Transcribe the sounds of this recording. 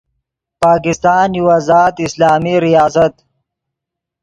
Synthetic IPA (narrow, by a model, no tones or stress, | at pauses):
paːkɪst̪ɑːnjiwazaːt̪ɪslɑːmiɾijɑːsat̪